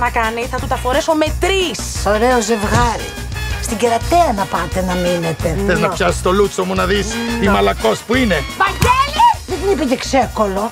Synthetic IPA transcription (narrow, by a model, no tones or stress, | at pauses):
nɐkɐniθɐt̪ut̪ɐfo̞ɾeso̞met̪ɾisoɾeoze̞vɣɐɾḭ | st̪iɟeɾɐt̪eɐnɐpɐt̪e̞nɐminet̪e̞θeznɐpçɐsi̥st̪o̞lut͡somunɐðist̪imɐlɐko̞spuine̞vɐɲɟeliðed̪inipecekse̞ko̞lo̞